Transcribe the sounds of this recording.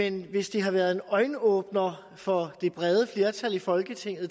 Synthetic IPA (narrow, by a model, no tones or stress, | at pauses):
enʋe̝sd̥iɦɑ̈ʋæɐð̞ˠe̝nɒ̽ɪnəɔ̽ːb̥nɐ | fɒ̽d̥e̝b̥ʁɛð̞ˠəfle̝ːɐt͡sʰælifɒ̽lɡ̥ət͡sʰe̝ŋ̰ð̩ˠ